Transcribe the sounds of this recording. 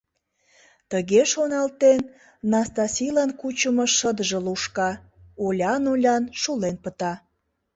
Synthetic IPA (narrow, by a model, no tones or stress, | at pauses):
t̪əɣeʃonɑlt̪enː | ɑst̪ɑsʲijlɑnkut͡ɕəməʃəd̪əʒə̆luʃkɑ | olʲɑnulʲɑnʃulenpət̪ɑ